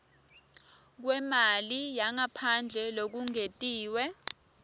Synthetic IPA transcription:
k̬wɛmalijaŋapʰand͡ɮʱɛlok̬uŋetʼiːwɛ

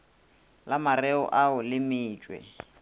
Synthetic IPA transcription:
lamarɛɔ̰ʔaʊlɪmɪːt͡ʃʼwɛ̰

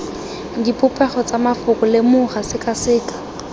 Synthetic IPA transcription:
dipʼʊpʼɛχɔt͡samafʊkʼʊlɪmʊχasɪkʼasɪːkʼḁ

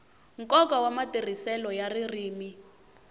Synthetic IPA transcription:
ŋ̩kʼɔkawamatʼir̤isɛlɔjaririːmi

